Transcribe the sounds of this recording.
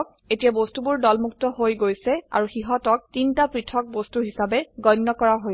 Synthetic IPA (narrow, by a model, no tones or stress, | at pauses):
k̚ | etijabostubʊɹdɔlmuk̚tɔɦojɡojsɛa̰ɹuxiɦɔtɔk̚tintapɹitʰɔk̚bostuɦisabɛɡɔjnːɔkɔɹaɦo